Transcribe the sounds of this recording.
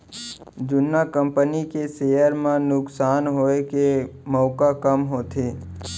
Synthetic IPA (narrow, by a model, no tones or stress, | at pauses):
d͡ʒʊnːakəmpənikesejəɾmãnʊksaːnɦoːekemɔːkakəmɦoːt̪ʰeː